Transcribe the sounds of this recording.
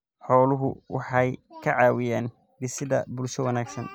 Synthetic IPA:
ħɔːlʊɦʊ̰wɑ̰ħɑjkʰɐʕɑːwɪjaːn | bɪsɪðɐ̰bʊlʃɔwɐnaːɡsɐn

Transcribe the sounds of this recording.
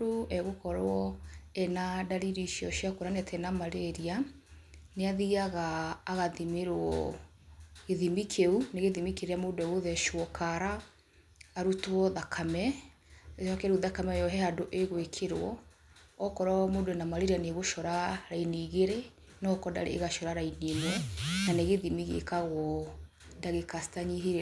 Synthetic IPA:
oɛɣokɔɾwɔɛnadaɾiɾiʃjɔʃiakoɾanɛtʰɛnamaɾeɾia | neaðiaɣaːɣaðimeɾwɔ̰ | ɣeðimikʰeuneɣeðimikeɾeamoːdɛɣoðɛʃwɔkʰaɾaː | ɾutɔðakʰamɛ | ɔkɛɾuðakamɛjɔɦɛadoʔeɣwekʰeɾwɔː | kɔɾɔmoːdɛnamaɾeɾianeɣoʃɔɾaɾainiːɣeɾe | nɔkɔda̰ɾḛːɣaʃɔɾaɾainenɛnaneɣeðimiɣḛkaɣwɔ | daɣekastaɲiɦiɾ

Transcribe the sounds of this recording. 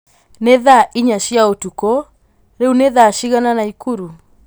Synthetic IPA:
neðaʔiɲaʃjaotuko | ɾeuneðaʃiɣananaikuɾu

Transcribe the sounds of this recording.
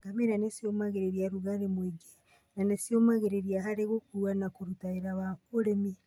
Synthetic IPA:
ɡ̥amenanesiomaɣeɾeɾiaɾuɣaɾemweɡe̥ | nanesiomaɣeɾeɾiahaɾeɣokoɾwanakoɾutaeɾaβakoɾemi

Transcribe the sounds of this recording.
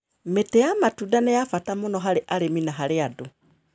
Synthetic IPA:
metɛjamatudanejafatamʊnɔɦaɾeʔaɾeminaɦaɾeado

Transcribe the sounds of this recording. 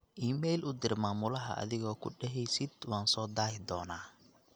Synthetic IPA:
ʔiːmɛjlʔʊd̪ɪrmaːmʊlɐɦɐ̰ʔɐ̰ðɪɣɔːkʰʊɖɛɦɛjsɪd̪waːnsɔːd̪aːjɪd̪ɔːnaː

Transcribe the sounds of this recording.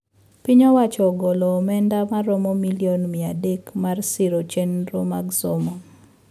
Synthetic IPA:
piɲɔwat͡ʃɔɡɔlɔmɛndamaɾɔmɔmiljonmiadekmarsiɾot͡ʃenɾomaɡsomɔ

